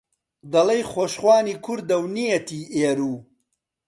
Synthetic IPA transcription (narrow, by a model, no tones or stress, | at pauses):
d̪ɐlɐjχoːʃχwaːniːkʰuɾd̪ɐwnijɐt̪iːeːɾuː